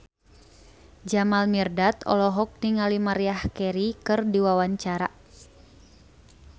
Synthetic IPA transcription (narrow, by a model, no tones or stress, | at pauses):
d͡ʒamalmirdat̪ɔ̰lɔɦɔk̚niŋalimaɾiahkɛɾikɨrdiwawaɲt͡ʃaɾa